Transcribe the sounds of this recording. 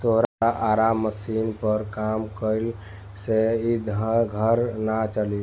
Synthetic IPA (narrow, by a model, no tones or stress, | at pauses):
t̪oɦɾaaʔaɾamːəsinpəɾkamkəɪl | seid̪ʱəɡʱəɾnat͡ʃəli